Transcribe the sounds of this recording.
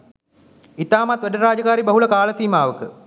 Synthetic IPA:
it̪aːmat̪ʋæɖəɾaːd͡ʒɐkaːɾibɐɦuləkaːləsiːmaːʋəkə

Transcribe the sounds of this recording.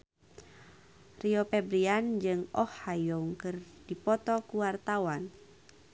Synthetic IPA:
riɔpɛbɾiand͡ʒɨŋɔhajɔuŋkɨrd̥ipɔt̪ɔkuwart̪awan

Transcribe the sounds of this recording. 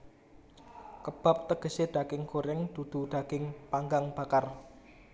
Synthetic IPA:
kəb̥a̤p̚t̪əɡ̥ə̤sed̪̥a̤ɡ̥ɪŋkoɾɛŋd̪̥ṳd̪̥ṳɖ̪̥a̤ɡ̥ɪŋpaŋɡaŋb̥a̤kar

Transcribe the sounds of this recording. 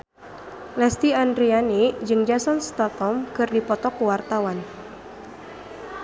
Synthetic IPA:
lɛst̪iandɾianid͡ʒɨŋd͡ʒasɔnst̪at̪ɔmkɨrdipɔt̪ɔkuwart̪awan

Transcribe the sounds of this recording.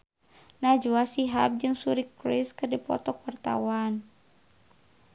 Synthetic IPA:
nad͡ʒuasiɦap̚d͡ʒɨŋsuɾikɾiskɨrdipɔ̰t̪ɔkwart̪a̰wan

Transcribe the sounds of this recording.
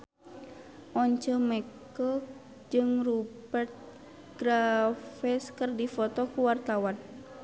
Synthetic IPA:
ʔɔɲt͡ʃəmɛk | ɔ | d͡ʒɨŋrubɛrt̪̚ | ɡ̥ɾafɛskərdifɔt̪ɔkuwart̪awan

